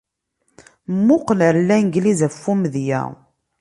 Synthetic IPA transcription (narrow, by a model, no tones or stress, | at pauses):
mːʊqnəɾlːænɡlizəfːumðjæ̰